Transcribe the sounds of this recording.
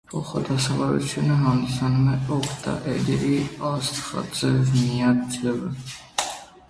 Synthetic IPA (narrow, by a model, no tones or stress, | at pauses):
pʰɔχɔd̪asavaɾɛ̰t͡ʃʰunaɦamsanmɛɔkʰt̪ʰa̰ʔɛd̪ɛɾiast̪χa̰d̪zɛvmiad̪lɛvɛ